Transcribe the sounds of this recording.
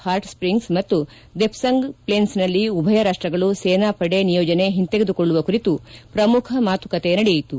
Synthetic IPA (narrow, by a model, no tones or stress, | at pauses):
haːɾʈspɾiŋɡsmɐt̪ːu | d̪epʰsɐŋɡpɭeːnsnɐlːiubʱɐjɐɾaʂʈɾɐɡɐɭuseːnaːpɐɽenijɔːd͡ʒɐne̞ɦint̪eɡed̪ukɔɭːuʋɐkuɾit̪upɾɐmukʰɐmaːt̪ukɐt̪enɐɽɛjɐjit̪u